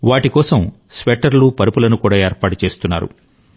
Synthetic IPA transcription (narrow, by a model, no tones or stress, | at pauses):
ʋaːʈikɔːsɐm | sʋeʈːɐɾlupɐɾupulɐnukuːɽaːeːɾpaːʈut͡ʃe̞ːst̪unːa̰ːɾṵ